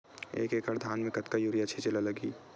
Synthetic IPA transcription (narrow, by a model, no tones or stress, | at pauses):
ḛːkeːkaɾd̪ʱaːnmẽkɐt̪kajuɾijat͡ʃʰit͡ʃelalɐɡiː